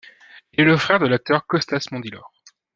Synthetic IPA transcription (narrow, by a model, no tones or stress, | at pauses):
ilɛləfχɛʁd̪əlak̚t̪œʁkɔst̪asmɑ̃d̪ilɔ̰ʁ